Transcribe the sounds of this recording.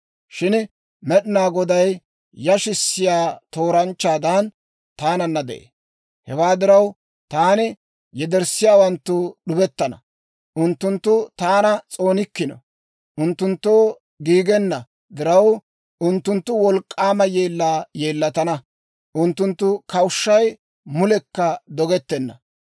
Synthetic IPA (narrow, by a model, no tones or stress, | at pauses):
ʃɪn | mɛɗɪnaːɡɔd̪ɐj | jɐʃɪsːɪjaːt̪o̞ːɾɐnt͡ʃːaːd̪ɐn | t̪aːnɐnːɐd̪ɛ̰ʔḛː | hɛwaːd̪ɪɾɐw | t̪aːnɪ | jɛd̪ɛɾsːɪjaːwɐnt̪ːʊɗʊbɛt̪ːɐnɐ̰ | ʔʊnt̪ːʊnt̪ːʊt̪aːnɐt͡sʼo̞ːnɪkːɪnɔ̰ | ʔʊnt̪ːʊnt̪ːoː | ɡiːɡɛnːɐ | d̪ɪɾɐw | ʔʊnt̪ːʊnt̪ːʊwɔlkʼːaːmɐjeːlːaːje̞ːlːɐt̪ɐnɐ | ʔʊnt̪ːʊnt̪ːʊkɐwʊʃːɐj | mʊlɛkːɐd̪ɔɡɛt̪ːɛnːɐ